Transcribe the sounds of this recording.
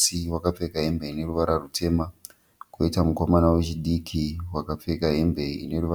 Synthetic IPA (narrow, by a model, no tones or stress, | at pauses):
iwakap͡fe̞kaɦe̞mbeine̞ruʋaɾarutʰe̞ːma | koitamuko̞manawet͡ʃiɗikʰiwakap͡fe̞kaɦe̞mbe̞ḭne̞ɾuʋa